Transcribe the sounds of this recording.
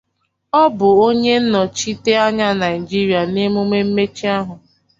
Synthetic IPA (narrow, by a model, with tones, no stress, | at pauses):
ɔ˦bʊ˨o˦ɲe˦n̩˦nɔ˨t͡ʃi˦te˦a˦ɲa˦na˨ɪ˨d͡ʒi˦ɾi˨a˨ne˦mu˦me˦m̩˦me˦t͡ʃi˦a˦ɦʊ˨